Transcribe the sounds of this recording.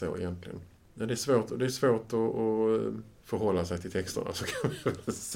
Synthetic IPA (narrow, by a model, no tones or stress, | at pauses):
o̰ːɪ̰jɛnt̪lɪɡə̰n | nad̪ɛæʂvoːʈɔd̪ɛæʂvoːʈɔː | fœɾɦɔlːasɛjt̪ʰɪlt̪ʰɛkst̪ə̰ɳa̰sɔkʰanvɪvɛs